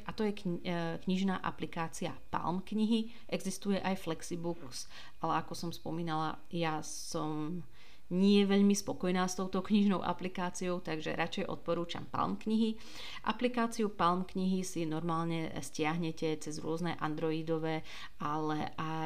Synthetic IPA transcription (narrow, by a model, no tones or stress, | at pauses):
ʔat̪ɔjɛkkɲiʒnaːʔa̰plikaːt͡sia̰pa̰lmkɲiɦi | ʔɛɡzist̪ujɛʔajflɛksibuks | ʔalɛakɔsɔmspɔmiːnala̰ | ja | sɔm | ɲɪɛʋɛʎmispɔkɔjnaːst̪ɔʊt̪ɔkɲiʒnɔʊʔa̰plikaːt͡siɔʊt̪aɡʒɛ̰ɾʔat͡ʃɛjʔɔ̰t̪̚pɔɾuːt͡ʃa̰mpa̰lmkɲiɦi | ʔa̰plikaːt͡siupalmkɲiɦisinɔɾmaːlɲɛscɪaɦɲɛcɛt͡sɛzɾʊɔznɛʔa̰nd̪ɾɔiːd̪ɔʋɛː | alɛʔa